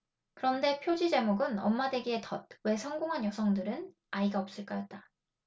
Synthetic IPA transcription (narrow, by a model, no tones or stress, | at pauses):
kɯɾʌnde̞pʰjod͡ʑid͡ʑe̞moɡɯnʌ̰mːade̞ɡie̞tʌd̚we̞sʰʌŋɡoŋɦanjʌsʰʌŋdɯɾɯn | aiɡaʌp̚s͈ɯɭk͈ajʌt̚t͈a